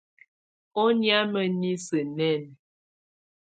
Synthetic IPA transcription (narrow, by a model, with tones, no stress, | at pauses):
o˦nja˦mə˨ni˦sə˨nɛ˦˨n